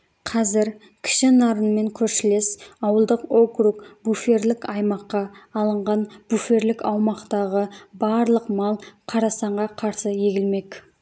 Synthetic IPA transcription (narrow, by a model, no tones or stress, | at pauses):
qʰɑzɪɾ | kʲʰɪ̥ʃɪnɑɾənme̞ŋkʲʰɵɾʃɪle̞sɑwəlˠd̪əqo̞krukbufe̞ɾlɪkɑjmɑqːɑːlˠəɴʁɑnb̥ufe̞ɾlɪkɑwmɑqt̪ɑʁəbɑɾlˠəqmɑlˠqʰɑɾɑsɑɴʁɑqʰɑɾsəje̞ɡʲɪlme̞k